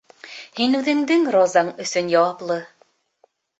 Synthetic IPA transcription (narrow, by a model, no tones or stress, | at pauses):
hinʉðɘ̆ŋd̪ɘŋɾozɑɴɵ̆sɵnjɑwɑplˠɤ